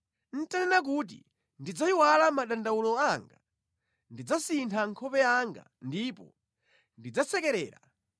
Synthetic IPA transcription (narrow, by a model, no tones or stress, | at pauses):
n̩tanɛnak̬ut̬ḭ | ndid͡zaiwalamaɗandawulɔaŋɡa | ndid͡zasintʰaŋkʰɔpɛaŋɡa̰ndipɔ̰ | ndid͡zasɛkɛɾɛ̰ːɾa̰